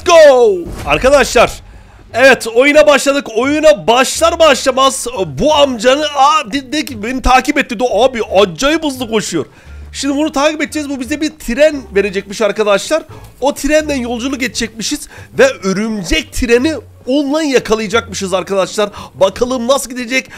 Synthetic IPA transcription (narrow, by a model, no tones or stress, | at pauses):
ɡ̥owaɾkad̪aʃlˠaɾ̥ | evɛt̪ʰo̞junabaʃlˠad̪ɯko̞junabaʃlˠaɾbaʃlˠamaz̥buamd͡ʒanɯad̪id̪ecibenit̪ʰaːcipɛt̪ːid̪oabiad͡ʒajɯbuzlˠuko̞ʃujoɾ | ʃimd̪ibunut̪ʰaːkipɛt̪ːd͡ʒɛzbubizd̪ɛbiɾt̪ʰiɾænve̞ɾed͡ʒɛc̚miʃaɾkad̪aʃlˠaɾo̞t̪ʰiɾænd̪ænjo̞lˠd͡ʒulˠuk̬et͡ʃʰd͡ʒɛc̚miʃiz̥vɛøɾymd͡ʒɛc̚t̪ʰiɾeni | onlˠanjakʰalˠɯjd͡ʒak̚mɯʃɯzaɾkad̪aʃlˠaɾbakʰalˠɯːmnasɯlˠɟid̪ed͡ʒɛc